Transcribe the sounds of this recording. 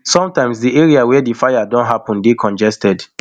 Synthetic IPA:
sɔ̃mtãɪ̃msdieɹiawɛdifajadɔ̃ntɦapɔ̃ndekʰɔ̃nd͡ʒɛstɛd

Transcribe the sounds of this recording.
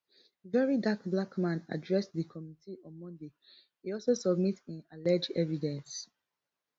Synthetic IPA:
vɛɹidakblakmãna̰dɹɛsðəkʰɔmitʰiɔ̃nmɔ̃nde | hiɔlˠsosɔbmitĩnalɛd͡ʒɛvidɛ̃ns

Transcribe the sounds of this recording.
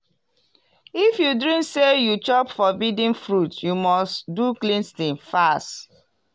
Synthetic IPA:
ifjudɹĩmksejut͡ʃɔpfɔbidĩnfɹutjumɔstduklĩnstĩnfast

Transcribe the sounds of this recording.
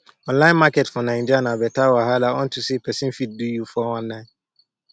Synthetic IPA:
ɔ̃nlãɪ̃nmaketfɔnãnd͡ʒanãbɛtawaɦalaɔn̩tusepʰɛsɪ̃n̩fit̚dujufɔwãnːãɪ̃

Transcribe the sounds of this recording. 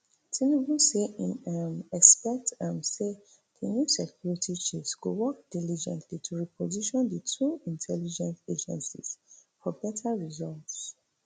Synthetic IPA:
tʰinibuseĩnamɛkspɛk̚tãmse | dənjusɛkʰjuɹitʰit͡ʃesɡ̥o̰wɔk̚d̥ilid͡ʒɛ̃ntʰlitʰuɹipʰɔziʃɔ̃ndətʰuĩntʰɛlid͡ʒɛ̃nted͡ʒɛ̰̃nsḭz̥fɔbɛtʰaɹizɔlts

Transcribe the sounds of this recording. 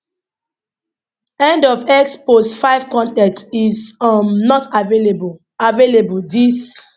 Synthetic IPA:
ɛ̃ndɔvɛkspostfaɪv̥kɔ̃ntɛ̃ntizɔmnɔtaveleb | avelebuldis

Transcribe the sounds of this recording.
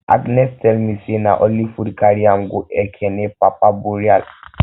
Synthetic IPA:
a̰ɡnɛstɛlmisena̰ʔɔlifuɾkaɾiaŋɡuʔɛkʰɛnɛpapabuɾial

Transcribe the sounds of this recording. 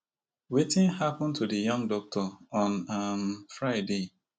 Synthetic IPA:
wetɪ̃nhapɔ̃ntudəjʌ̃ŋdɔk̚tʰɔɔ̃namfɹaɪde

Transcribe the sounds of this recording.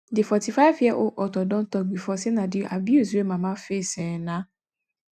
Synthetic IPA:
difɔtifafiɛʔoʔɔtɔdɔ̃n̩tɔɡ͡bifɔsenãdiʔa̰biis̬emãːmãːfesɛnã

